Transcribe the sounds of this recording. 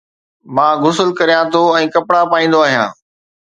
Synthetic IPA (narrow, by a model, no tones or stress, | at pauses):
mãːɣʊsəlkɐɾijãt̪ʰoɛ̃ːkɐpɽapaːĩːnd̪oaːɦijã̰ː